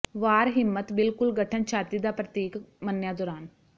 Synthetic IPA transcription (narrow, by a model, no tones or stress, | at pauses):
ʋaːɾɦɪmːət̪bɪlkʊlɡəʈʰənt͡ʃʰaːt̪iːd̪aːpɾət̪iːkmənjaːd̪ɔːɾaːn